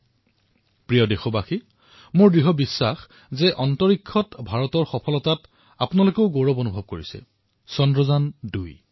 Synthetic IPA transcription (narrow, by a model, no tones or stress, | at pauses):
pɹijɔdexɔbaxi | mʊɹdɹiɦɔbisːax | zɛʔɔntɔɹikʰːɔtbʱaɹɔtɔɹxɔpʰɔlɔtat | apunalokeʊɡoɹɔbonubʱɔb̚koɹisɛ̰ | sɔndɹɔzanduj